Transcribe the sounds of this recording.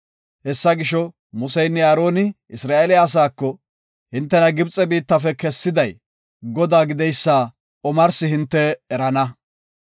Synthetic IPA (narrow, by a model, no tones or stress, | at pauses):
hɛsːɐɡɪʃɔ | mʊsɛjnːɛjaːɾo̞ːnɪ | ɪsɾaːelɪːs̬aːkːɔ | hɪnt̪ːɛnɐɡɪbt͡sʼɛbiːt̪ːɐfɛkɛsːɪd̪ɐj | ɡɔd̪aːɡɪd̪ɛjsːaː | ɔmɐɾsɪhɪnt̪ːɛːɾɐnɐ